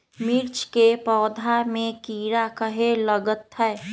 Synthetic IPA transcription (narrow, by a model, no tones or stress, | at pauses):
miɾt͡ʃkepɔːd̪ʱamẽkiːɾakəɦeləɡət̪ɦɛː